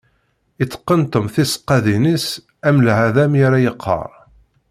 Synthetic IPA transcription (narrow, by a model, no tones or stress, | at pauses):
it͡sːə̥qːənt̪əmθisə̥qːæðinis | æmlʕæðæmjaɾæjəqʰːɑ̰ɾˤ